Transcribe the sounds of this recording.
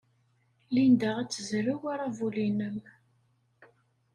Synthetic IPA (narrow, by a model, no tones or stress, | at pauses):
lind̪aʁæt͡sːəzɾiwaɾˤavulinəm